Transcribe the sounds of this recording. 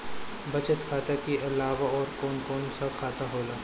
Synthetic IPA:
bɐt͡ʃət̪kʰaːt̪akiʔɪlaːʋaɔːɾkɔːnkɔːnsakʰaːt̪aɦoːlaː

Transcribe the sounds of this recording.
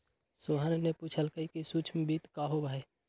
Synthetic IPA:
soɦanenẽpuːt͡ʃʰəlkəikisuːt͡ʃʰmebit̪kaːɦobae

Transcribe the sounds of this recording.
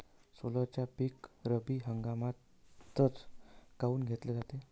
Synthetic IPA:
solət͡ɕjapiːkɾəbiːɦəŋɡamat̪ː | ət͡skauːnɡʱet̪led͡zat̪e

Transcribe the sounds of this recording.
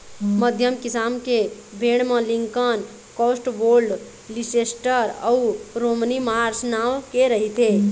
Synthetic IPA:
məd̪ʱjəmkisamkebʱeɽ̃meliŋkən | kɔsʈboɾlɖ | lisesʈəɾə̰uɾomənimaɾsnawkeɾəɦit̪ʰe

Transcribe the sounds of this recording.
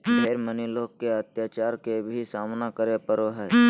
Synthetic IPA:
beːɾməniloːkːeət̪jaːt͡ʃaːɾkebʱisaːmnakəɾepəɾoɦɛː

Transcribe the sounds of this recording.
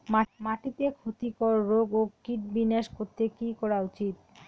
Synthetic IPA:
mamaʈit̪ekʰot̪ikɔɾɾoɡokiʈ̚bineʃkoɾt̪ʰekikɔɾaut͡ɕit̪

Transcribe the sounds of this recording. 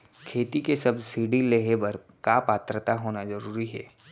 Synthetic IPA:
kʰeːt̪ikesɐbsiːɖileɦebəɾ | kaːpaːt̪ɾət̪aɦoːnazɐɾuːɾiɦɛː

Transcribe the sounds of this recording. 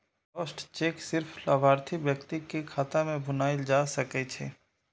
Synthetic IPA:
ɔːsʈt͡ʃeːksɪɾpʰlaːbʱaːɾt̪ʰibjəkt̪ikekʰaːt̪amẽbʱʊnaːed͡ʒaːsəkɛt͡ʃʰeː

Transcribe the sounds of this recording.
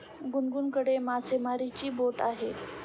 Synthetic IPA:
ɡunɡunkəɽemasemaɾit͡ɕiːboʈaɦe

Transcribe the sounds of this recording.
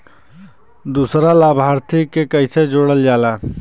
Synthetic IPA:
d̪usɾalabʱaɾt̪ʰikekəɪsed͡ʒoɽəld͡ʒala

